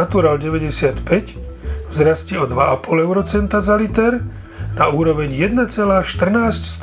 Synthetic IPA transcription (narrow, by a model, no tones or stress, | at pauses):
at̪uɾalɟɛʋɛɟɛsɪat̪pɛc | vzɾascɛɔd̪ʋaapɔlɛʊɾɔt͡sɛnt̪azalit̪ɛɾ | nauːɾɔʋɛɲjɛd̪nat͡sɛlaːʃt̪r̩naːscst̪